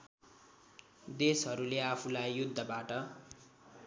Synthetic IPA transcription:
d̪esɦʌɾuleapʰulajːjud̪ʱːʌbaʈʌ

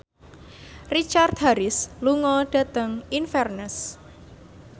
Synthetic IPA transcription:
rit͡ʃart̪̚ɦaɾɪsluŋɔɖ̥a̤t̪əŋinfɛrnəs

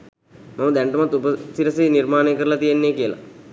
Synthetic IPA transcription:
maməd̪æɳʈəmat̪ːupəsiɾəsenirmaːnejkəɾəlat̪ijenːejkijəla̰

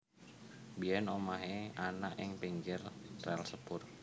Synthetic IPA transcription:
biɛnomaɦeanaʔɪŋpiŋɡɪrrɛlsəpʊr

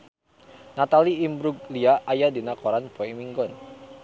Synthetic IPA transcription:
nat̪aliːmbɾuɡ̚liaʔajadinakɔɾanpɔɛŋmiŋɡɔn

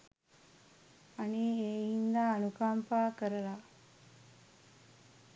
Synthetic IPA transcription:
ɐniːeːjind̪aːɐnukaːmpaːkəɾɐlaː

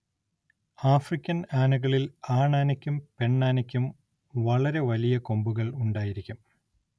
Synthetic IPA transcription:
aːfrikʲːɐnaːnuɣɐɭilaːɳaːnɐkʲːumpe̞ɳːaːnɐkʲːum | ʋɐɭɐɾe̞ʋɐlijɐko̞mbuɣɐɭuɳɖaːjiɾikʲːum

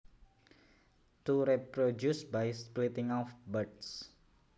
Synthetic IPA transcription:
t̪uɾipɾodjusbajsplit̪ɪ̃ŋɔfbəds

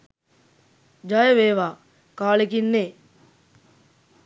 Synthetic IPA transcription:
d͡ʒajəʋeːʋaː | kaːlekinːeː

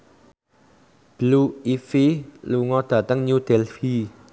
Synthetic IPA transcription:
b̥luifiluŋɔd̪̥ä̤t̪əŋɲud̪̥ɛlfi

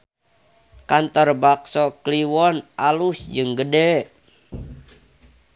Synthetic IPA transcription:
kant̪ɔrbaksɔkliwɔnʔalusd͡ʒɨŋɡədɛ

